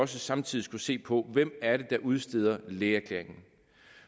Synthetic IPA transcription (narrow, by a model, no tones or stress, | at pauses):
ɒ̽s̬əsɑ̈mt͡sʰiðˠisɡ̥use̝̰ːpʰɒ̽ʋem̰æɐɾe̝d̥ɑ̈ʔuð̞ˠsd̥e̝ð̞ˠɐleːæɐkʰle̝ɐeŋn̩